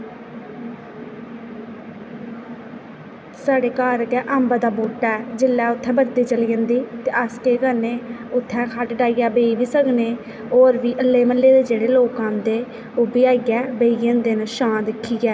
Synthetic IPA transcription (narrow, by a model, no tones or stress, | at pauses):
saːɖeːkaːɾkɛːʔəmbaːd̪aːbuːʈːɛːd͡ʒɪlːɛːʊt̪ʰːɛ̃ːbəɾd̪iːt͡ʃəliːənd̪iːt̪eːʔəskeːkəɾneːʊt̪ʰːɛ̃ːkʰaʈɖaːijaːbeːiːʋiːsəkneː | oːɾʋiːʔəlːeːməlːeːd̪eːd͡ʒeːɽeːloːkãːnd̪eː | oːbiːaːɡɛːbeːijə̃nd̪eːnʃãːd̪ɪkʰːiːɡɛː